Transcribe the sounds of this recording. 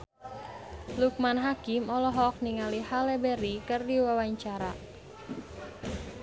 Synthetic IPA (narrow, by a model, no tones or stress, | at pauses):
luk̚manɦakimɔlɔɦɔk̚niŋalihalɛbɛɾikərdiwawaɲt͡ʃaɾa